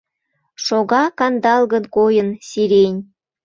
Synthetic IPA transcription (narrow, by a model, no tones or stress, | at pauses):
ʃoɣɑkɑnd̪ɑlɣənkojənsiɾenʲ